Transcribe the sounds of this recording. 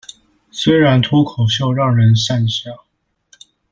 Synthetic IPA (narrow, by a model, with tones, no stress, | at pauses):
swe˥ɪɻa˧˥nt̪ʰu˥kʰo˨˩ʊɕjo˥˧ʊɻɑ˥˩ŋɻə˧˥nʂa˥˧nɕɑ˥˩ŋ